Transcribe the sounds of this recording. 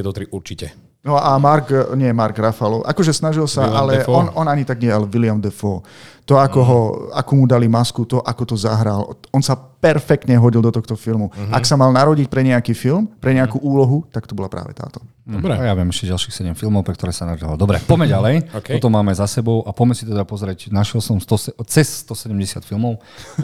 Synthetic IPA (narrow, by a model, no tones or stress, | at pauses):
ɛt̪ɔt̪ɾiʔuɾt͡ʃicɛ | nɔamaɾkɲɪɛjɛmaɾɡɾafalɔ̰ʊʔa̰kɔʒɛsnaʒilsaʔalɛɔnɔnaɲit̪aɡɲɪɛɛalɛʋilɪamd̪ɛfɔːt̪ɔakɔɦɔa̰kuːmud̪alimaskut̪ɔʔakɔt̪ɔzaɦɾalɔnsapɛɾfɛk̚t̪ɲɛɦɔɟilˠd̪ɔt̪ɔxt̪ɔfilmuaksamalnaɾɔɟic̚pɾɛɲɛakiːfilmpɾɛɲɛakuʔuːlɔɦut̪akt̪ɔbɔlapɾʔa̰ːʋɛ̰t̪a̰ːt̪ɔ̥ | ajaʋɪɛmɛʃcɛɟalʃixsɛɟɛmfilmɔʊpɾɛk̚t̪ɔɾɛːsanaɾdaɔld̪ɔbɾɛ̰pɔmɛɟalɛjkɔt̪ɔmːaːmɛzasɛbɔʊʔapɔmɛsit̪ɛd̪apɔzɾɛcnaʃɛlsɔmst̪ɔsɛt͡sɛssːt̪ɔsɛɟɛmɟɛsɪa̰t̪filˠmɔʊ